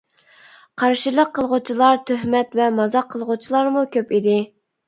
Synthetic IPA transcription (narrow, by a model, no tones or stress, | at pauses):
qʰɑɾʃilˠəqʰːəlˠʁʊt͡ʃʰilˠɑɾt̪ʰøɦmɛt̪vɛmɑzɑqʰːəlˠʁʊt͡ʃʰilˠɑɾmukʲʰøpid̪ɪ